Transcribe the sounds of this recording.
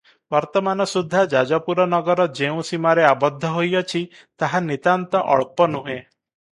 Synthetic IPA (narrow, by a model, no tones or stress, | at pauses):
bɔɾt̪ɔmanɔsud̪ʱːad͡ʒad͡ʒɔpuɾɔnɔɡɔɾɔd͡ʒeũsimaɾeabɔd̪ʱːɔɦojɔt͡ʃʰi | t̪aɦanit̪ant̪ɔʔɔ̰ɭpɔnuɦẽ